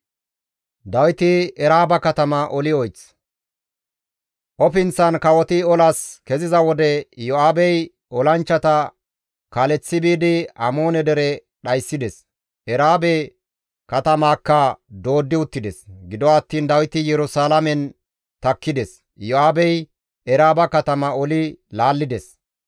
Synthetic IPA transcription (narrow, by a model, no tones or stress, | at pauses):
d̪ɐwɪt̪ɪɛɾaːbɐkɐt̪ɐmɐʔɔlɪɔjt͡s | ʔɔpɪnt͡sːɐnkɐwɔt̪ɪɔlɐskɛzɪzɐwɔd̪ɛjɔaːbɛj | ɔlɐnt͡ʃːɐt̪ɐ | kalɛt͡sːɪbiːd̪ɪɐmo̞ːnɛd̪ɛɾɛ | ɗɐjsːɪd̪ɛs | ʔɛɾaːbɛ | kɐt̪ɐmaːkːɐd̪o̞ːd̪ːɪʊt̪ːɪd̪ɛsɡɪd̪ɔɐːt̪ːiːnd̪ɐwɪt̪ɪjɛɾʊsaːlɐmɛn | t̪ɐkːɪd̪ɛs | jɔaːbɛj | ɛɾaːbɐkɐt̪ɐmɐɔlɪlaːlːɪd̪ɛs